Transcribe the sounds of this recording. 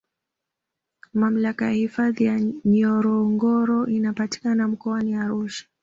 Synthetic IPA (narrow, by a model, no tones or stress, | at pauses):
mam̩lakajahifaðijaɲɔɾɔŋɡɔɾɔʔinapati̥kanam̩kɔaniaɾuʃḁ